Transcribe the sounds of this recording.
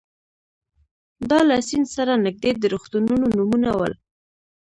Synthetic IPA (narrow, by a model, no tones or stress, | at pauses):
d̪ɑlasinsaɾanɪk̚d̪ed̪əɾuxt̪ununonumunawə̰l